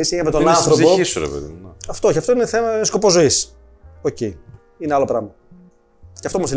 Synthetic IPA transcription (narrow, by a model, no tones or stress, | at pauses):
iseɐmet̪onɐnθɾo̞poisuɾḛpḛðḭnɐft̪oçeɐft̪o̞ineθe̞mɐnsko̞po̞zo̞is | oce | ineɐlopɾɐmɐ | ceɐft̪ooosi